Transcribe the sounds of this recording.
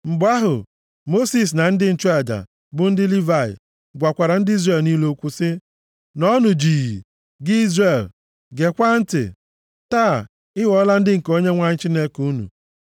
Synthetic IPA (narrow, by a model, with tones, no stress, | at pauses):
m̩˨bʊ˦a˦ɦʊ̰˨ | mo˦si˨s̬na˨n̩˦dɪ˦n̩˦˨t͡ʃu˦a˨d͡ʒa̰˨ | bʊ˨n̩˦dɪ˦li˦va˨ɪ̰˨ | ɡʷa˨kʷa˨ɾa˨n̩˦di˦zre˦˨lni˦lo˦kʷu˦sɪ˦ | nɔ˦nʊ˨d͡ʒi˨ɣi˨ | ɡɪ˦i˦zre˨l | ɡe˨kʷa˦n̩˦tɪ̰˨ | taː˦˨ | ɪ˦wɔ˦la˦n̩˦dɪ˦ŋ̩˨ko˦ɲe˦ŋʷa˦ɲ̩˦t͡ʃi˦ne˦ku˦nṵ˨